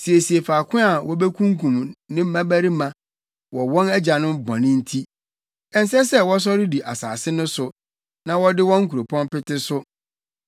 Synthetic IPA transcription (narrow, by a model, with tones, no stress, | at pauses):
si˨e˨si˨e˨faː˨kʰʊ̃˦a˨wʔɔ˦be˦kʰũ˦ŋkʰũ˨mnɪ̃˦m̩˦mã˦bæ˦ɾi˦mã˨ | wɔ˨wɔ̃˦nɛ˦d͡ʑa˨nʊ̃˦mbɔ̃˨nɪ̃˦n̩˦tʰi˦ | ɛ˨n̩˨s̬ɛ˦sɛ˦wɔ˦s̬ɔ˦ɾɪ˦di˨ʔa˨sa̰ː˨sɪ˦nʊ̃˦sʊ˨ | nã˨wɔ˦dɪ˦wɔ̃˦ŋ̩˦kʰu˨ɾo˨pʰɔ̃˦npɪ˦tɪ˦sʊ˦